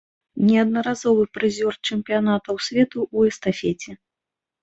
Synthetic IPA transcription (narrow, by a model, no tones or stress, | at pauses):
nʲɛɐd̪nɐɾazɔvɨpɾɨzʲɔrt͡ʂɛmpʲijanat̪ɐwsʲvʲɛt̪uʔːɛst̪afʲɛt͡sʲɛ